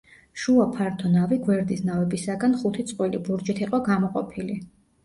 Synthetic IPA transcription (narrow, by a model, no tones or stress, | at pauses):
ʃuapʰaɾt̪ʰɔnaviɡwɛɾd̪isnavɛbisaɡanχut̪ʰit̪sʼqʼwilḭbuɾd͡ʒit̪ʰiqʼɔɡamɔqʼɔpʰili